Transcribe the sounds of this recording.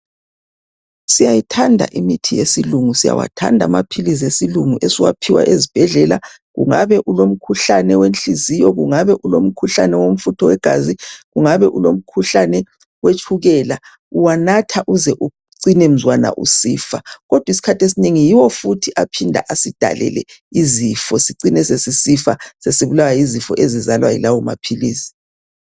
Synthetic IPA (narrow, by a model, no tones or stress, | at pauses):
sijajitʰandʱa̰ʔimitʰijesiluŋusija̰wa̰tʰa̰ndʱamapʰilizesiluŋuʔesiwa̰pʰiwa̰ʔezib̥ʱɛɮɛla | ɣṵŋa̰βɛʔulom̩kʰuɬanɛwent͡ɬizijɔɣuŋaβɛʔulom̩kʰuɬanɛwom̩futʰɔwɛɡ̥ʱa̰ziɣuŋaβɛʔulom̩kʰuɬanɛ | wet͡ʃʰuɣɛːla | uwanatʰaʔuzɛʔu | ǀinɛm̩zwana̰ʔṵsḭːfaɣɔd̥ʱwisi̥kʰatʰesineŋijiwɔfutʰiʔapʰindʱa̰ʔasid̥ʱa̰lɛ̰lɛ̰izifɔsiǀinɛsesisifa̰sesiβulawajizifɔʔezizalwajḭlawɔma̰pʰiliːsi̥